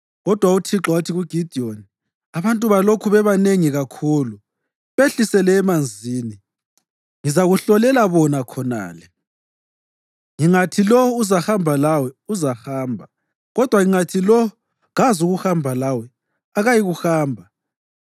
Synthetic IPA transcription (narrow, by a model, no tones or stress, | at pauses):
ɣɔd̥ʱwautʰiǁɔwutʰiɣuɡ̥ʱid̥ʱioni | aβantʼuβalokʰuβɛβaneŋiɣakʰuːlu | βeɬisɛlɛːmand͡zʱiːni | ŋizaɣuɬɔlɛlaβɔnakʰɔna̰ːlɛ | ŋiŋatʰilɔuzahambʱalawɛuzahaːmbʱa | ɣɔd̥ʱwaŋiŋatʰilɔ | ɣazuɣuhambʱalawɛ | aɣajiɣuxaːmbʱa